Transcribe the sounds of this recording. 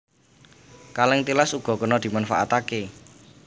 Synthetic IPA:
kalɪŋt̪ilasuɡ̥ɔ̤kənɔd̪̥i̤manfa̰ʔa̰t̪ake

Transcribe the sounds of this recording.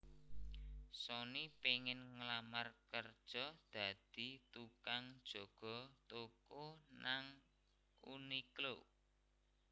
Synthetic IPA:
sɔnipeŋɪnŋlamarkərd̥ʒ̥ɔd̪̥a̤d̪̥i̤t̪ukaŋd̥ʒ̥ɔ̤ɡ̥ɔ̤t̪okonaŋ | ṵniklo

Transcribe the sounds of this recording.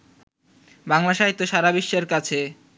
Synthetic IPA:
baŋlaʃaɦit̪ːoʃaɾabiʃːeɾkat͡ɕʰe

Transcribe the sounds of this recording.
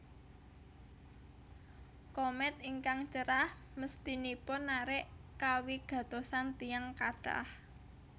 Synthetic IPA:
komɛt̪̚iŋkaŋt͡ʃəɾah | məst̪inipʊnːaɾɪʔkawiɡ̥ä̤t̪osant̪ijaŋkaɖ̥a̰h

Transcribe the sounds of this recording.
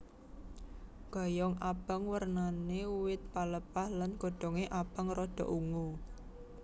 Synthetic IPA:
ɡ̥a̤jɔŋab̥ə̤ŋwərnaneuwɪt̪̚paləpahlanɡoɖ̥ɔ̤ŋeʔab̥əŋrɔɖ̥ɔ̤̰ʔuŋu

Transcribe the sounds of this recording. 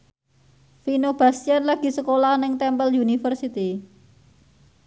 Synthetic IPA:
finob̥a̤sjanlaɡ̥i̤səkolahnɪŋt̪ɛmpəljunifərsit̪i

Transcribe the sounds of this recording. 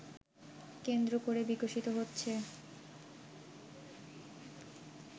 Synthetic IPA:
kend̪ɾokoɾebikoʃit̪oɦotːɕʰe

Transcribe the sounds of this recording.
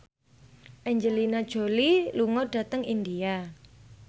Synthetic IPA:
ʔɛɲd͡ʒəlinad̥ʒ̥o̤liluŋɔɖ̥ä̤t̪əŋind̪ia

